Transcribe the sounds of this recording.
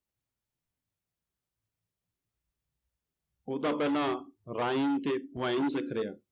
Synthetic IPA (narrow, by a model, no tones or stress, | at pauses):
oːd̪aːpɛːlãːɾaːiːnt̪eːʋaːiːnsekʰɾejaː